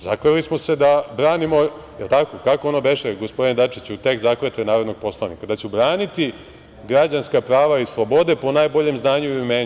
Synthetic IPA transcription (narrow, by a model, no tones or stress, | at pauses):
zakɾelismo̞se̞d̪abɾaːnimo̞ | jelˠt̪ako̞kakoonobeʃeɡospo̞d̪ined̪at͡ʃit͡ɕut̪e̞kzakɾet̪enaːɾod̪no̞ɡ̥̚po̞slˠanḭkad̪at͡ɕubɾaːnit̪i | ɡɾad͡ʑanskapɾaːʋaislˠobo̞d̪e̞po̞najbo̞ʎemznaːɲuimeːɲ